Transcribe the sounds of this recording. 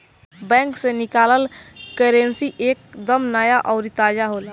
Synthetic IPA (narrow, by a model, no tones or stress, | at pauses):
bɛ̃ŋksenikaːləlkeɾensiʔekd̪əmnəjaʔɔʊɾit̪ad͡ʒaɦola